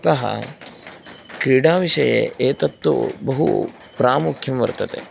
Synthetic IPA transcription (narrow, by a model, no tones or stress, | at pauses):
ɐt̪ɐɦɐ̰ | kɾiːɽaːʋiʂɐjḛeːt̪ɐt̪ːṵbɐɦṵ | pɾaːmukʰjɐmʋɐ̰ɾt̪ɐt̪ḛ